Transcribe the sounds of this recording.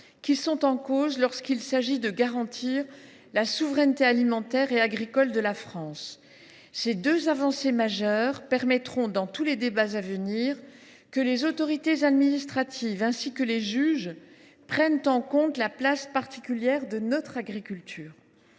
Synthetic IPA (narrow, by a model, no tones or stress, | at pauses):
kʲisɔ̃t̪ɑ̃kozlɔʁskilsaʒid̪əɡaʁɑ̃t̪ʰiʁ | lasuvʁɛnt̪ealimɑ̃t̪ɛʁeaɡʁikɔld̪əlafχɑ̃sː | ed̪øzavɑ̃semaʒœʁpɛʁmɛt̪χɔ̃d̪ɑ̃t̪uled̪ebazavəniːʁ | kəlezot̪ɔʁit̪ezad̪minist̪χat̪ʰivɛ̃sikəleʒyʒ | pχɛnt̪ɑ̃kɔ̃t̪laplaspaʁt̪i̥kʲyljɛʁd̪ənɔt̪χaɡʁikʲylt̪ʰyːʁ